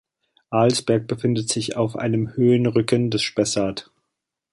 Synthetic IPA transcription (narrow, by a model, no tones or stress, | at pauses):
ʔaːlsb̥ɛɐk̚b̥əfɪndətz̥ɪça̰ʊfʔa̰ɪnəmhøːənʁʏkəndɛsʃpɛsaːt